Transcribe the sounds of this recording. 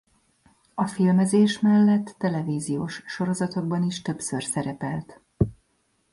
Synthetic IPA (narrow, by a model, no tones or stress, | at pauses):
ɒfilmɛzeːʃmɛlːɛt̪ːɛlɛviːzijoːʃʃo̞ɾo̞zɒt̪o̞ɡ̚bɒniʃt̪ø̞psø̞rsɛɾɛpɛlt̪